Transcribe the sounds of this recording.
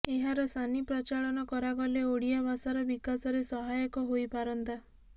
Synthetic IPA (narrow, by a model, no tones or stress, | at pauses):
eɦaɾɔsanipɾɔt͡ʃaɭɔnɔkɔɾaɡɔleoɽijabasaɾɔbikasɔɾesɔɦajɔkɔɦojpaɾɔnt̪a